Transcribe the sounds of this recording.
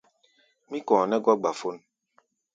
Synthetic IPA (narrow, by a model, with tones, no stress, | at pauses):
mi˦kɔ̃ː˨nɛ˦ɡɔ˦ɡ͡ba˨fo˦n